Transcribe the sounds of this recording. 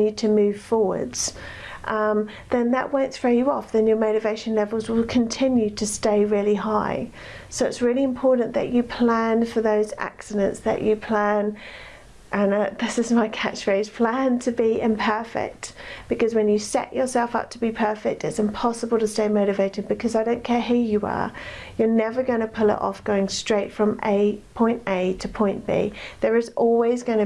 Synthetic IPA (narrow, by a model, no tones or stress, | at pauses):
ɨd̚tʰɨmʉv̥fɔwə̰˞dz̥ | ʔʌ̃m | ðɨ̃nðəʔwə̃ʊ̃ntsfəjəɔfðɨ̃njə˞məʊɾɨveɪʃɨ̃n̩lɛvəl̩ˠzwɪlˠkʰɨ̃ntʰɪ̃njʉɾʰɨsteɪɹɪlˠiɦaɪ | soʊɨtsɹɪlˠiɨ̃mpʰɔɹʔn̩ðɨ̰t͡ʃɨpʰl̥æ̃nfə˞ðoʊzæ̰ksɨɾɨ̃ntsðɨ̰t͡ʃɨpʰl̥æ̃n | ʔə̃nʌðɪsɨzmaɪkʰat͡ʃfeɪz̥pʰl̥æ̃ntʰɨbiɪ̃mpʰɜ˞fɪ̰k̚tb̥ɨkʌzwə̃njɨsɛ̰t͡ʃə˞sɛlˠfʌ̰p̚tʰəbipʰɜˑ˞fɪk̚tɨtsɨ̃mpʰɑsəbəl̩ˠtəsteɪmoʊɾɨveɪɾɪ̃d̚bɨkʰʌzaɪɾõʊ̃nkʰɛɹɦʉjəə̰jə˞nɛvə˞ɡʌ̃ñəpʰʊlˠɪ̰ɾɔ̰fɡ̥oʊɪ̃ŋstɹ̥eɪtfɹə̃mḛɪpʰɔ̃ɪ̃nteɪtʰəpʰɔ̃ɪ̃nb̥ḭðə˞ɨzɔlˠwizɡʌ̃nɨ